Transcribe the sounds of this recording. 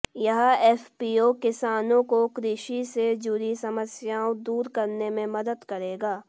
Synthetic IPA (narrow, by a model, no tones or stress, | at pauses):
jɐɦɛːfpiːoːkɪsaːnõkokɾɪʃised͡ʒuɾisɐməsjaːõd̪uːɾkɐɾnemẽmɐd̪əd̪kɐɾeːɡaː